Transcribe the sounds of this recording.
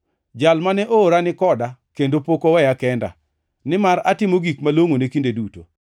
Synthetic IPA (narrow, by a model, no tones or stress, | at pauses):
d͡ʒalmanɛʔoːɾanɪkɔdakendopokowɛjakɛnda̰ | nɪmaɾatɪmoɡikmaloŋonekindeduto̰